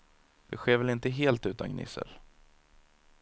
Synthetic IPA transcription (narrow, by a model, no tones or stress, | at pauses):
v̥ɪɧeːvɛlɪnt̪əɦeːlt̪ʉ̟ːt̪anɡnɪ̰sə̰l